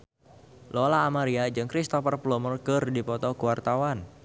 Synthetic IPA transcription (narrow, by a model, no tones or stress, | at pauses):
lolaːmaɾiad͡ʒɨŋkɾist̪ɔfərplɔmɔrɡərdipɔt̪ɔkuwart̪awan